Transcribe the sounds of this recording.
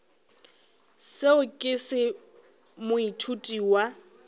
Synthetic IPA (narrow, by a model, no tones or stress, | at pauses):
seʊkʼɪsɪ | mʊitʰutʼiwa